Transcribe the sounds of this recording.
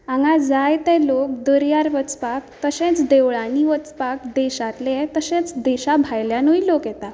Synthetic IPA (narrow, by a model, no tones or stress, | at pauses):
ãŋɡad͡zajt̪ɛ̃lok̚d̪əɾjaɾʋət͡spak̚t̪əɕɛ̃t͡sd̪eʋɭaniʋət͡spakd̪eɕat̪leɛt̪əsɛ̃t͡sd̪eɕabʱajljanuilokjɛt̪a